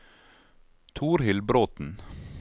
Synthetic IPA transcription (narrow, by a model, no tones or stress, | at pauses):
t̪ʰuːɾhɪlbɾoːt̪n̩